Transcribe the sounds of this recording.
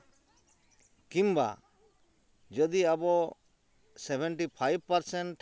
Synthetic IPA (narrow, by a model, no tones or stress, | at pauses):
kĩmba̰ | d͡ʒɔd̪iabɔ | sɛbɛɳʈipʰajb̚paɾsɛɳʈ